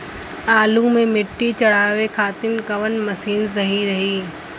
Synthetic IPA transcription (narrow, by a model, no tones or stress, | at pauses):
aːlumẽmɪʈːit͡ɕɐɽ̤aːʋekʰaːt̪ɪnkɐʋənmɐsiːnzɐɦiɾɐɦiː